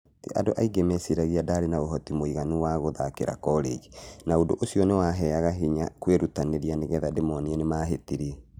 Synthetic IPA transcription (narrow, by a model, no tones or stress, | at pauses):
tḭʔa̰doʔaiɡemɛsiɾaɣiadaːɾenaoɦɔtimoiɣanuwaɣoðakḛɾa̰kɔɾḛɣinaodo̰ʔosiɔnewaɦɛaɣaɦiɲakweɾutaneɾianeɣɛðademɔniɛnemaːɦetiɾiɛ